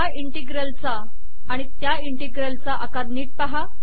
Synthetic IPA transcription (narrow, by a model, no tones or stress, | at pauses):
aiɳʈiɡɾəlt͡saː | ɽ̃it̪jaiɳʈiɡɾəlt͡saʔakaɾniːʈ̚paɦa